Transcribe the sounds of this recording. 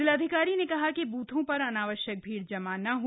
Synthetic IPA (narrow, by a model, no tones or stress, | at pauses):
ɪlɐd̪ʱɪkaːɾinekɐɦakibuːt̪ʰõpɐɾɐnaːʋəʃjək̚bʱiːɽd͡ʒɐmanɐɦo